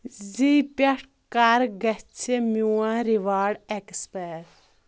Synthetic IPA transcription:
zipɐʈ | kaɾɡɐt͡ʃʰemuwãɾiʋaːɽekspɛːɾ

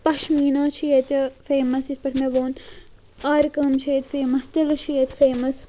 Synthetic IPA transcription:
pɐʃmiːnaːt͡ʃʰijet̪ʲɐfeːmɐsispɐʈʰmeʋoːn | aːɾkɐmt͡ʃʰeːt̪ʲfeːmɐst̪ɐlɐt͡ʃʰijet̪ʲfeːmɐs

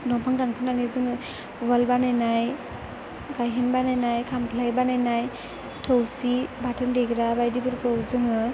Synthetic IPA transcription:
nɔpʰaŋdankʰɯnanizɯŋɯ | βalbanajnaj | ɡajɦenbanajnajkʰampʰlajbanajnaj | tʰowsibatʰɯndeɡɾabajdibɯɾkɯwzɯŋɯ

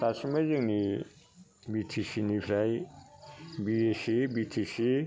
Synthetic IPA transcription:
t̪asmaziŋni | bit̪ʰisinipʰɾaj | biesibit̪ʰisi

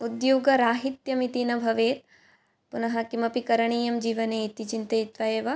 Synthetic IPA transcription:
ud̪joːɡɐɾaːɦit̪jɐmit̪inɐbʱɐʋeːt̪ | punɐɦɐkimɐpikɐɾɐɳ̃iːjɐmd͡ʒiːʋɐneːit̪it͡ʃint̪ɐjit̪ʋajeːʋɐ

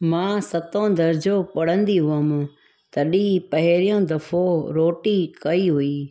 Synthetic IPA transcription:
mãːsɐt̪õd̪ɐɾd͡ʑopɐɽ̤ə̃nd̪iɦʊəm̆ | t̪ɐɗipɐɦɪɾijõd̪ɐfʰoɾoːʈikɐiɦuiː

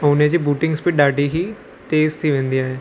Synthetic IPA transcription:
oːnẽːd͡ʒiːbuːʈɪŋɡspiɖaːɖiɦiː | t̪eːzt̪ʰiːʋẽːnd̪ijaːɛː

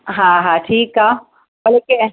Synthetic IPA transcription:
ɦãɦãʈʰiːkɦa | bɐleke

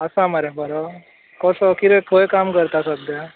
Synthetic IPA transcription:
əsamaɾabəɾɔ | kɔsɔkiɾet̪ʰojkamkəɾt̪asəd̪ja

